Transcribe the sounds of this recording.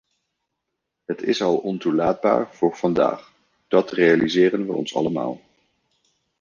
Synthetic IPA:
ɦətɪsɑlˠɔntulaːd̚ba̰ːɹv̥ʊːɹv̥ɑnda̰ːχ | d̥ɑtrejalizɪːrənʋə̰ʔɔ̰nsɑ̰ləma̰ːlˠ

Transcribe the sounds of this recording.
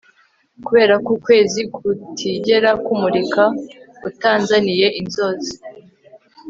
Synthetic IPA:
kuβe̞ːɾakuːkwe̞ːzikʰutʰiɟe̞ɾakumuɾikḁ | utaːnzanije̞ʔinzo̞zi

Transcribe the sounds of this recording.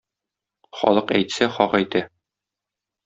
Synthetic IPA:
χɒ̰lˠɤqæ̰jt̪sæχɒqæjt̪æ

